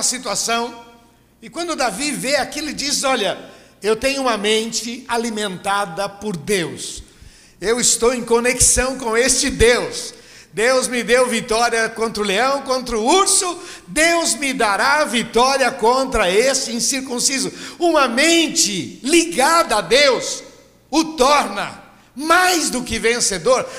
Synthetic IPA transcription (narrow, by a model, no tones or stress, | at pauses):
ɐsit̪uasɐ̃w̃ | ɪkwɐ̃nd̪ʊd̪aviveakilʊɪd͡ʒisɔʎɐ | ewt̪ẽɲʊũmɐmẽnt͡ʃɪalimẽnt̪ad̪ɐpʊɾd̪ews | ewɪst̪owẽj̃koneki̥sɐ̃w̃kõest͡ʃɪd̪ews | d̪ewzmɪd̪ewvit̪ɔɾiɐkõnt̪ɾʊleɐ̃w̃kõnt̪ɾʊuɾsʊd̪ewzmɪd̪aɾavit̪ɔɾiɐkõnt̪ɾɐest͡ʃɪeĩsiɾkũsizʊũmɐmẽnt͡ʃɪliɡad̪ɐad̪ews | ʊt̪ɔɾnɐ | majzd̪ʊkɪvẽsed̪oɾ